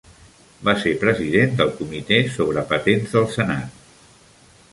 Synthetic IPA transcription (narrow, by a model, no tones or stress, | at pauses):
basepɾəziðend̪əlˠkumit̪esoβ̞ɾəpət̪enzðəlˠsənat̪